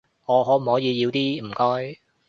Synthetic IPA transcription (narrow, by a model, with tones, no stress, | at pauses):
ŋɔː˨˧ɦɔː˨˥m̩˨˩hɔː˨˥jiː˨˧jiː˨˧wt̪iː˥m̩˨˩kɔː˥j